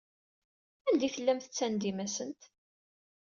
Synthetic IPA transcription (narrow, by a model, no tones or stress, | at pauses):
ænd̪ifəlːæmθə̥t͡sːænd̪imæsənt̪